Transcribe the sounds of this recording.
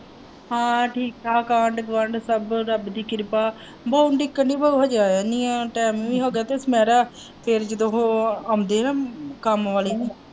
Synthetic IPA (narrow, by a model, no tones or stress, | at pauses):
hãːʈʰiːkaːkãːɳɖɡʋəɳɖsəbɾəbd̪iːkɪɾpaː | bəːuɳɖɪkːəɳɖiːbəuɦəd͡ʒaːaniːãːʈɛːmːʋĩːɦoːɡɛːt̪eːsmɛːɾaː | pʰeɾd͡ʒəd̪õːɦoːaːmd̪eːɦnãːkəmʋaːleː